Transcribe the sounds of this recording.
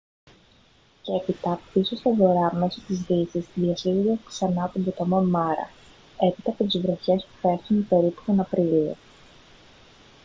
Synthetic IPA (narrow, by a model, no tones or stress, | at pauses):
cepit̪ɐisost̪ɐvo̞ɾɐme̞so̞t̪izðisizðiɐsiɣud̪ɐksɐnɐt̪ombot̪omo̞nmɐɾɐ̰ | e̞pit̪ɐːpo̞t̪izvɾo̞çe̞spu̥fe̞ɾθunipe̞ɾipu̥t̪o̞nɐpɾilio̰